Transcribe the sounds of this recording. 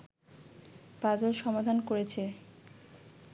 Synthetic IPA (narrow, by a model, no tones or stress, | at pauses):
pad͡ʑolʃɔmad̪ʱankoɾet͡ɕʰe